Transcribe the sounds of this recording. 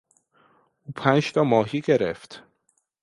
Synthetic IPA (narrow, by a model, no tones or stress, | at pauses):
ʔuːpʰænʃt̪ʰɒːmɒːɦiːɡe̞ɾḛft̪